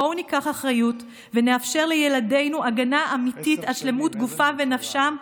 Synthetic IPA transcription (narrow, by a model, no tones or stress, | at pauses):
onikaχaχʁajut | vene̞afʃe̞ʁlejelade̞jnuʔaɡanaʔamititaʃle̞mutɡufave̞nafʃam